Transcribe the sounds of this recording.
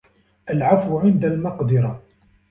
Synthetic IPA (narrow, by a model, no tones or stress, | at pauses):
ʔalʕafwʕɪnd̪almɑqd̪ɪɾˤɑ